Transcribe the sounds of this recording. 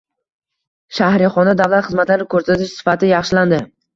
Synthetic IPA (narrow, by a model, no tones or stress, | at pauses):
ʃahɾɪχɒnd̪ad̪avlˠat̪χɨzmat̪laɾɪkʰɵɾsat̪ʰɪʃsɪ̥fat̪ʰɪjɑχʃɪland̪ɪ